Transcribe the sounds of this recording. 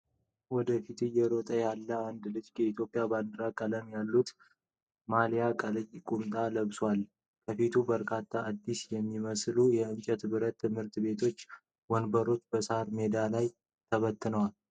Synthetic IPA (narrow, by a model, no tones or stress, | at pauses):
wɔd̪əfit̪ʰɨjɛɾot̪ʼəjalːəand̪lɨd͡ʒkɛit̪ʰjo̞pʼijaband̪ɨɾakʼələmjalːut̪ | malijakʼəlɨjkʼunt̪ʼaləβswal | kʰəfit̪ʰubəɾkʰat̪ʰːaːd̪ːisjɛmːiməslujɛɨnt͡ʃʼɛt̪bɨɾət̪ʰːɨmhɨɾt̪be̞t̪ʰo̞t͡ʃː | wɔnbəɾo̞t͡ʃːbəsaɾme̞d̪alaj | t̪ʰəβət̪ːɨnəwal